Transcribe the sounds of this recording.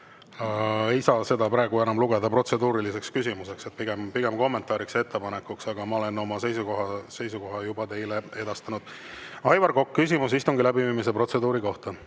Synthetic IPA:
ɑe̞jsɑːse̞d̪ɑpɾɑːɡue̞nɑmluɡ̥e̞d̪ɑpro̞t̪se̞d̪uːɾilise̞kskysʲimuse̞kset̪̚piɡ̥empiɡ̥e̞mko̞mːent̪ˑɑːɾikse̞t̪ːe̞pɑne̞kːˑuksɑɡ̥ɑmɑo̞le̞no̞mɑse̞jsuko̞ɦɑse̞jsuko̞ɦɑjub̥ɑt̪e̞jle̞e̞d̪̥ɑst̪ɑnud̪̥ | ɑjvɑrɡo̞kkːys̬ʲimus̬ist̪uŋɡilæbiviːmis̬e̞pro̞t̪se̞d̪uːɾiko̞ht̪ɑ

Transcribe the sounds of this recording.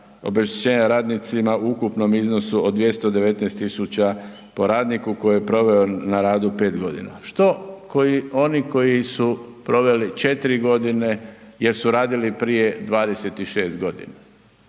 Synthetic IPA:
o̞̰be̞ʃt̪et͡ɕe̞ːɲaɾaːd̪nit̪simauukupno̞mizno̞suod̪d̪ʋje̞st̪od̪e̞ʋe̞t̪nɛst̪isut͡ɕa | po̞ɾaːd̪nikuko̞jijepɾo̞ʋe̞onaɾaːd̪upe̞ːt̪ɡo̞d̪ḭna̰ʃt̪o̞koio̞niko̞jisupɾo̞ʋe̞lit͡ʃe̞t̪iɾiɡo̞d̪ine̞je̞ɾsuɾaːd̪ilipɾije̞d̪ʋaːd̪e̞se̞t̪iʃeːst̪ɡo̞d̪ḭna

